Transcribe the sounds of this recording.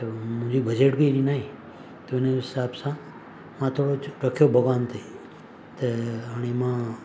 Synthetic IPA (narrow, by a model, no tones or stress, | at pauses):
mũd͡ʒibəd͡ʒeːʈbiɾinaːɦĩ | t̪oenesaːbsã | mãt̪ʰoɽoɾəkʰjobʱəɡaːnt̪ʰe | t̪eəɳemãː